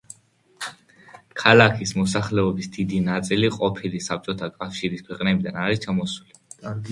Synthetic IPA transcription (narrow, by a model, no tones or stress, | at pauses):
kʰalakʰismɔsaχlɛɔbisd̪id̪inat̪sʼiliqʼɔpʰilisap̚t͡ʃʼɔt̪ʰakʼafʃiɾiskʰwɛqʼnɛbid̪anaɾist͡ʃʰamɔsuli